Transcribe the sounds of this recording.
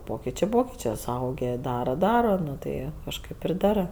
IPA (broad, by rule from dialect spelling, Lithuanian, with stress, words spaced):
ˈpoːkʲɪt͡ʃʲeː ˈpoːkʲɪt͡ʃʲeː sʊˈɐʊɡʲeː ˈdɑːrɐ ˈdɑːrɐ ˈnʊ tɐɪ kɐʃˈkɐɪp ɪr ˈdɑːrɜ